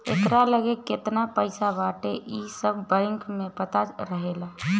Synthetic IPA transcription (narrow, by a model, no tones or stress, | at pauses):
ḛkɾaləɡeket̪napəɪsabaʈeʔisəbʱbə̃ɪŋkʰmepət̪aɾəɦela